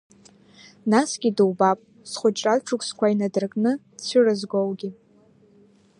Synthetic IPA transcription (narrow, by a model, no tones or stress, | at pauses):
nasɡ̥ʲidɨwbapʼ | sχʷʊt͡ʃʼralʈ͡ʂʰʊkʷʰʼskʷʰainadɨrkʼnɨdt͡sʷʰɨrɨzɡowɡʲi